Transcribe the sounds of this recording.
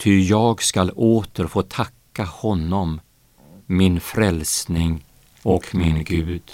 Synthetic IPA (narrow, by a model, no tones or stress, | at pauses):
t̪ʰʏjɑːɡskaloːt̪əɾfoːt̪ʰakːahɔnːɔmː | ɪnfɾɛlsnɪŋ | ɔkmɪnɡʉ̟ːd̪̥